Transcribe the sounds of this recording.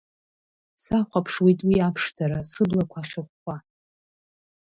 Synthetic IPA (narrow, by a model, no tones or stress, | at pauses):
saχʷapʰʂwitʼwiapʰʂtʰaɾasɨblakʷʰaχʲʊχʷa